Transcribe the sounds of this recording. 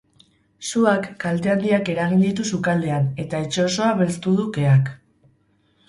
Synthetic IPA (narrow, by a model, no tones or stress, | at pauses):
suakːalt̪e̞and̪iake̞ɾaɣind̪it̪usukald̪e̞ane̞t̪aet͡ʃo̞oso̞aβe̞lst̪uð̞uke̞ak